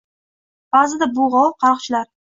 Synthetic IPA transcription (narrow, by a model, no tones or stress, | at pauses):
b̥aːzɪd̪abʊʁɒlˠqʰɑɾɨqt͡ʃʰɪlaɾ